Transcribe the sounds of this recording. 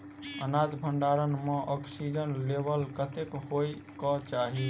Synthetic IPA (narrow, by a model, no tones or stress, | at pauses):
ənad͡ʒbʱəɳɖaɾənmeʔɔksid͡ʒənlebəlkət̪ekɦoj | kɔt͡ʃaɦi